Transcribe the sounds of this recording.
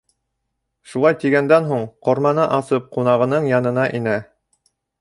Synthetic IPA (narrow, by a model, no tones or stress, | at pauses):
ʃulˠɑjt̪iɡænd̪ænɦuɴqoɾmɑnɤʔɑsɤp̚qunɑʁɤ̆nɤɴjɑn̪ɤ̆nɑʔinæ